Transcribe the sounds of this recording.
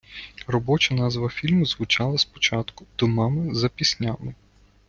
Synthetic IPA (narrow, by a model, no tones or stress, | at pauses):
rɔbɔt͡ʃɐnɑzʋɐfʲilʲmʊzʋʊt͡ʃɑlˠɐspɔ̥t͡ʃɑt̪kʊ̥d̪ɔmɑmɪzɐpʲisʲnʲamɪ